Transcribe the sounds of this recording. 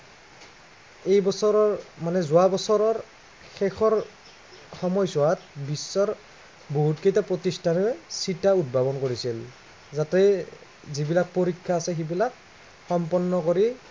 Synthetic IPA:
ejbɔsɔɹɔɹmanɛzʊabɔsɔɹɔɹ | xɛxʰɔɹ | xɔmɔjsuwat̚bisːɔɹ | boɦutkejtapɹotistʰanɔsitaut̚bʱabɔnkoɹisil | zatɛ | zibilak̚poɹikʰːaːsɛxibilak̚ | xɔmpɔnːɔkoɹi

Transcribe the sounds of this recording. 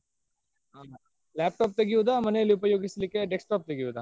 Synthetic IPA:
ɦa | lɛːp̚ʈɔːp̚t̪eɡiud̪amɐneliupəjoːɡislikeɖeksʈɔːp̚t̪eɡiud̪aː

